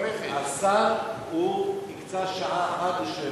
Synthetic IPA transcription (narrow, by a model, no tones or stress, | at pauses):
asaʁhunikt͡saʃaʔaːχat̪̚beʃe